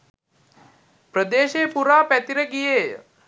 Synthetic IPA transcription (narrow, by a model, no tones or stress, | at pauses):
pɾəd̪eːʃeːpuɾaːpɛt̪iɾəɡijeːjə